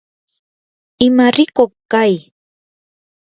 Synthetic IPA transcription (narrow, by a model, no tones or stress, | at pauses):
ɪmaɾɪkoχkaj